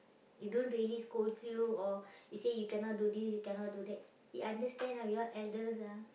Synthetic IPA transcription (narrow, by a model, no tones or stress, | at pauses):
idõntɹiliskoltujuɔisejukɛ̃nɔt̚dudisjukɛ̃nɔt̚dudɛt̚ | iʔãndəstɛ̃nhajiɡatɛldəs̬a